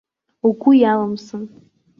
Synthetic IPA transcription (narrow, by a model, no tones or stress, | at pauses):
uɡʷʊjaləmsɨn